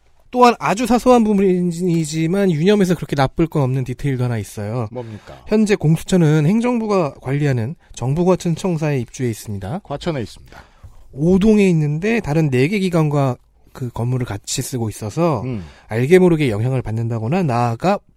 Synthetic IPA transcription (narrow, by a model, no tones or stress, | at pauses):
t͈oɦanad͡ʑusʰasʰoɦanpumɾiɲid͡ʑimanjuɲʌme̞s̬ʰʌkɯɾʌkʰe̞nap͈ɯɭk͈ʌnʌmnɯntitʰeiɭdoɦanais͈ʌjomik͈açjʌnd͡ʑe̞koŋsʰu̥t͡ɕʰʌnɯnhe̞ŋd͡ʑʌŋbuɡakwaʎːiɦanɯnt͡ɕʌŋbuɡwat͡ɕʰʌnt͡ɕʰʌŋs̬ʰae̞ip̚t͡ɕ͈ue̞is͈ɯmɲidakat͡ɕʰʌneis͈ɯ̥mɲida | odoŋe̞inːɯnde̞taɾɯnːe̞ɡe̞ɡiɡanɡwa | kɯkʌmːuɾɯɭkat͡ɕʰis͈ɯɡois͈ʌsʰʌaɭɡe̞moɾɯɡe̞jʌŋɦjaŋɯɭpanːɯndaɡonanaɡa